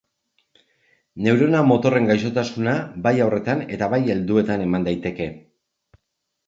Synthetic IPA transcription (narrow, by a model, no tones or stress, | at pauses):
ne̞wɾe̞namo̞t̪o̞re̞ŋɡajs̬o̞t̪asunabajawre̞t̪ane̞t̪aβaje̞ld̪ue̞t̪ane̞mand̪ajt̪e̞ke̞